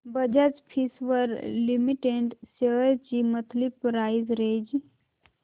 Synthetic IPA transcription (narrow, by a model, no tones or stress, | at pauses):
bəd͡ʒat͡ʃpʰisʋəɾlimiʈeɳʈseəɾt͡ʃimət̪ʰlipɾaːizɾed͡ʒ